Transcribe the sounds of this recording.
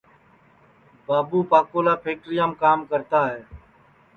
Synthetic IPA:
baːbuːpaːkoːlaːpʰeːk̚ɾɪjãːmkaːmkəɾt̪aːɦeː

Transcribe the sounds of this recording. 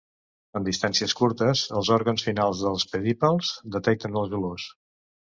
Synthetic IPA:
ənd̪ist̪ansiəskuɾt̪əzəlˠzɔɾɣənsfinalˠzðəlˠspəðipəlˠzd̪ət̪ɛk̚t̪ənəlˠzβəlos

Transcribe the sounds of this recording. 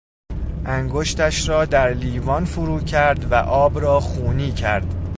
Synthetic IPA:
ʔæŋɡoʃt̪æʃɾɒːd̪æɾliːvɒːnfuɾuːcʰæɾd̪væ̰ʔɒːbɾɒːxuːniːcʰæ̰ɾd̪̥

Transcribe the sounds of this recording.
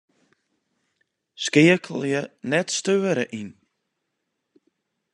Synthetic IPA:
skɪəkʰəl̩ˠjənɛtstøːəɾəʔin

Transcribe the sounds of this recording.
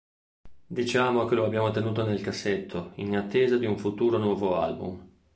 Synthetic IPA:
d̪it͡ʃaːmok̟eloabːjaːmot̪enuːt̪onelkasːet̪ʰːoinat̪ːeːzad̪iuɱfut̪uːɾonwɔːvoa̰lbṵm

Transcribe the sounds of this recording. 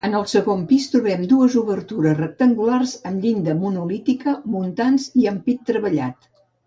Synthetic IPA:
ənəlˠsəɣompist̪ɾuβɛmd̪uəzuβəɾt̪uɾəzrək̚t̪əŋɡularzəmʎind̪əmunulit̪ikəmunt̪anziəmpit̪ːɾəβəʎa̰t̪

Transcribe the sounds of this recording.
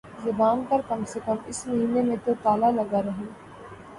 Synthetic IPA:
zɐbaːnpɐɾkɐmsekɐmɪsmɐɦiːnemẽt̪ot̪aːlalɐɡaɾɐɦẽː

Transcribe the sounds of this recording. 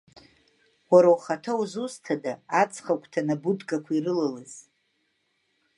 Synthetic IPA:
waɾawχatʰawuzustʰadaat͡sʰχakʷʰtʰanabudɡʼakʷʰairɨlalɨz̥

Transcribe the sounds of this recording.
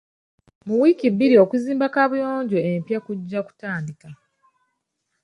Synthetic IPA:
muwiːkibːiɾio̞kuziːmbakaβujo̞ːɲɟo̞empjakuɟːaku̥taːndika

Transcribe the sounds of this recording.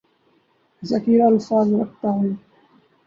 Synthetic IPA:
zəkiːɾaəlfaːzɾəkʰt̪aɦʊeː

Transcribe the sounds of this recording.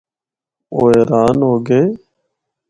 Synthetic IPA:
oːeːɾaːnɦoːɡeː

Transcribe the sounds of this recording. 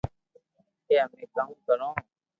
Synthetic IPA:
eːɦəmẽːkaːmkəɾõːɦː

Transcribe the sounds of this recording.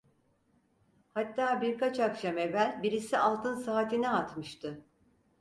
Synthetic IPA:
hat̪ːaːbiɾkat͡ʃakʃame̞vælʲbiɾisiʔalˠt̪ʰɯnsaːt̪ʰinɛat̪mɯʃt̪ʰɯ

